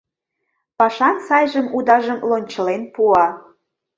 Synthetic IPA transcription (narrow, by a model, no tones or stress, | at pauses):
pɑʃɑnsɑjʒəmud̪ɑʒəmlonʲt͡ɕə̆lenpuɑ